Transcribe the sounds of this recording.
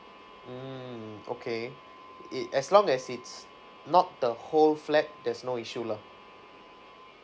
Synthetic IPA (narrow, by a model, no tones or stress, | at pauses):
m̩o̰kʰe | ʔɛslɔ̃ŋɛsits | nɔt̚d̥əholflɛk̚dɛsnoiʃula